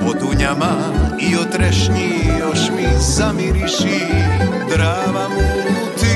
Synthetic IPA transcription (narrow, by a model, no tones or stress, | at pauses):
pod̪uɲama | iot̪ɾɛʃɲijoʃmizamiɾiʃid̪ɾaːʋamu | t̪i